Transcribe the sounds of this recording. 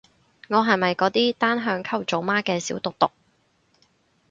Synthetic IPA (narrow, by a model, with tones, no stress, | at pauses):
ŋɔː˨˧ɦɐ˨jmɐ˨jkɔː˨˥t̪iː˥t̪aː˥nɦœː˨˧ŋkʰɐ˥˩wt͡so˨˧wmaː˥kɛː˧siː˨˥wt̪ʊ˨k̚t̪ʊ˨k̚